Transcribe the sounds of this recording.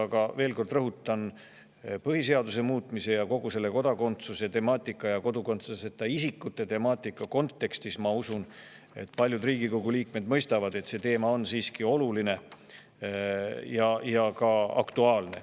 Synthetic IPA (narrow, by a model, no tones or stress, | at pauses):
ɑɡɑveːlko̞rd̪̥rɤɦut̪ːˑɑn | pɤɦise̞ɑd̪use̞muːt̪ˑmise̞jɑko̞ɡ̥use̞lːe̞ko̞d̪̥ɑko̞nt̪suset̪e̞mɑːt̪ʲːˑikːˑɑjɑko̞d̪uko̞nt̪sɑset̪ːˑɑisikːˑut̪ːˑe̞t̪e̞mɑːt̪ːˑikːˑɑko̞nt̪ːe̞kst̪ismɑusun | e̞̰t̪ːˑpɑlʲjud̪riːɡiko̞ɡ̥uliːkme̞d̪̥mɤjst̪ɑvɑd̪e̞t̪se̞ːt̪e̞ːmɑo̞nsiːskio̞luline̞ | jɑjɑkɑɑ̰kt̪uɑːlne̞̰